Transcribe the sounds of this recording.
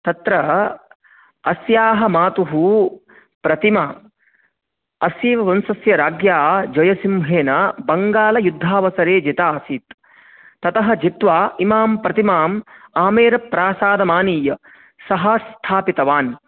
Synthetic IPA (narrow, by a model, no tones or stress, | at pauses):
t̪ɐt̪ɾɐ | ɐsjaːɦɐmaːt̪uɦu | pɾɐt̪ima | ɐsjiːʋɐʋɐnsɐsjɐɾaːɡjaːd͡ʒɐjɐsimbʱeːnɐbɐŋɡaːlɐjud̪ʱːaːʋɐsɐɾeːd͡ʒit̪aːsiːt̪ | t̪ːɐt̪ɐɦɐ̆d͡ʒit̪ʋaːimaːmpɾɐt̪imaːmaːmeːɾɐpɾaːsaːd̪ɐmaːniːjɐ | sɐɦɐst̪ʰaːpit̪ɐʋaːn